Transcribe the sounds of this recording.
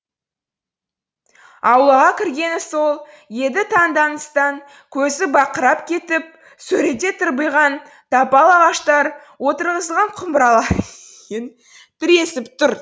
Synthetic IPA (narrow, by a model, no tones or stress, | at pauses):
ɑwlˠɑʁɑkʲʰɪɾɡʲe̞nso̞lˠ | je̞d̪ɪt̪ʰɑŋd̪ɑnəst̪ɑŋ | kʲʰɵzɪbɑqəɾɑpkʲʰe̞t̪ɪp̚ | sɵɾe̞t̪e̞t̪ʰəɾbəjʁɑn | d̪̥ɑpɑlˠɑʁɑʃt̪ɑɾ | wo̞t̪əɾʁəzəlʁɑɴqʰʊmbəɾɑlˠɑ | ən | bɪɾe̞sɪpt̪ʊɾ